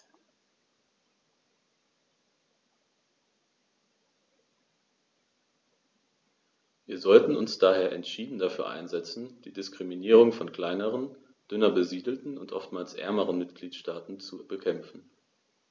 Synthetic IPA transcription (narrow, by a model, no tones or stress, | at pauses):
viːɐzɔltn̩ʊnsd̥aːheːɐʔɛ̰ntʃiːdn̩dafyːɐʔa̰ɪnzɛt͡sn̩d̥iːdɪskʁ̥iminiːʁ̞ʊŋfɔnkl̥aɪnəʁ̞ən | d̥ʏnɐbəziːdl̩tn̩ʊntʔɔ̰ftmaːlsʔɛ̰ɐməʁənmɪtɡ̥liːtʃtaːtn̩t͡subəkʰɛmfn̩